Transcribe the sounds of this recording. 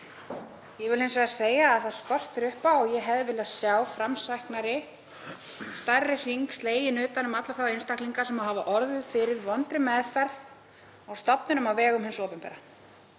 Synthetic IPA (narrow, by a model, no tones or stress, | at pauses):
jɛɣvɪlejnsvɛɣðaseːjaːðθaðskɔr̥t̪ɪɾʏhpaɔɣjɛɦɛvðvɪlaðsjaːwfɾamsajhknaɾɪ | st̪arːɪr̥iŋkst̪leːjɪnʏːt̪anʏmat̪laθawejnst̪ahkliŋkasɛmaɦavaʔɔɾðʏðfɪɾɪɾvɔnt̪ɾɪmɛðfɛɾð | awst̪apnʏnʏmavɛːɣʏmɦhɪnsɔːpɪmpɛ̰ɾa